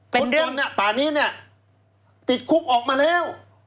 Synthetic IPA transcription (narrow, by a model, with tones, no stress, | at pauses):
pe˧˦nɾɯ˥ɔ˩˧nːi˧˩ɐpaː˨˩niː˦˥˨ni˥˩ɐ | t̪i˨˩t̪̚kʰu˦˥k̚ʔɔː˨˩k̚maː˧lɛː˥˩˨w